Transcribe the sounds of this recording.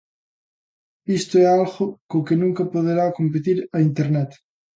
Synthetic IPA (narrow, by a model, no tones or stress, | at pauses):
ist̪oɛalɣʊkokenũŋkɐpoð̞eɾakomp̬et̪iɾɐint̪eɾnɛt̪